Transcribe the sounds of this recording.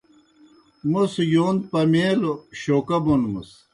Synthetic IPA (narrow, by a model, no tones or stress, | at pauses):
musjoːnd̪̚pɐmeːloɕoːkɐbonmṵs